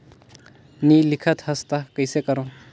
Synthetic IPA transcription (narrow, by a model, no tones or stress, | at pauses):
nilikʰət̪hɐst̪akəjsekɐɾɔ̃